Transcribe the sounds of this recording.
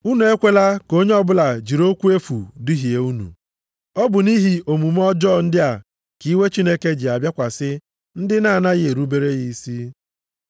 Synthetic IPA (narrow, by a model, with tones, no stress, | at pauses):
u˦nu˨e˦kʷe˦la˦ko˦ɲe˦ɔ˦bʊ˦la˨d͡ʒi˨ɾo˦kʷu˦e˦fu˨di˦ɦi˨e˨u˦nṵ˨ | ɔ˦bʊ˨ni˦ɦi˨o˨mu˨m˦ɔ˦d͡ʒɔ˦˨n̩˦dɪ˦a˨ | ki˨˦we˦t͡ʃi˦ne˦ke˦d͡ʒɪ˨a˨bja˦kʷa˨sɪ˦ | n̩˦dɪ˦na˦˨na˦ɣɪ˨e˨ɾu˦be˦ɾe˦ɣi˦si˦